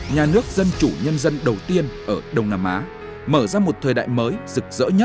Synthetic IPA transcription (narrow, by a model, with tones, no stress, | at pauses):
ɲaː˨˩nɨ˦˥ək̚zə˧nt͡ɕu˧˩ɲə˧nzə˧nɗə˨˩wt̪i˧ənʔəː˧˩ɗə˨˩wŋ͡mnaː˧mʔaː˨˦ | məː˧˩zaː˧mo˨˩t̚t̪ʰəː˨˩jɗa̰ː˧˨jməː˨˦jzɨ˨˩k̚zə̰ː˧˥ɲə˦˥t̚